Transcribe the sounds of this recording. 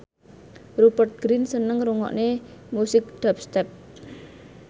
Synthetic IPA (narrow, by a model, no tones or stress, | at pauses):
rupərt̪̚ɡ̥ɾinsənəŋɾuŋɔ̰ʔnemusɪk̚ɖ̥ap̚st̪ɛp̚